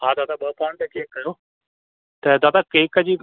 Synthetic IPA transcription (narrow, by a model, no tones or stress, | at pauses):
ɦãːd̪aːt̪aːbəːpãːɳʈ̪eːkeːkːəjoː | t̪eːd̪aːt̪aːkeːkad͡ʒiː